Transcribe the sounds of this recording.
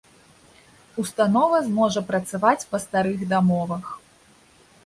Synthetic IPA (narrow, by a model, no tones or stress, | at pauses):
ust̪anɔvɐzmɔʐɐpɾɐt̪savat͡sʲpɐst̪aɾɨɣd̪amɔvɐx